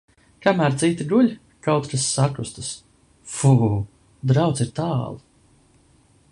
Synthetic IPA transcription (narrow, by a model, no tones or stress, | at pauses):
kamæːɾt̪sit̪iɡuʎʲ | kawt̪kasːakɾust̪as | fu | d̪ɾawt̪siɾt̪aːlˠ